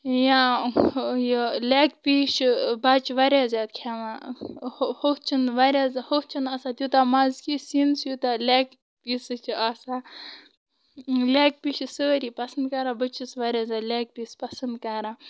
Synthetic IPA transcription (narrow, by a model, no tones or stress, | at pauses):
jã | jəlaːkpiːʃbat͡ʃʰʋaɾʲaːzʲaːt̪̚kʲʰaːʋa | hot͡ʃʰɨnʋaɾʲaːzhokt͡ʃʰinasaːt̪ʲjut̪amazkisinsjut̪alʲaːk | piːsɨt͡ʃʰiaːsaː | leːk̚piːʃsəːɾiːpɐsənd̪̚kaɾaːbət͡ʃʰisʋaɾʲaːzʲaːlʲaːk̚piːspɐsɐnd̪kaɾaː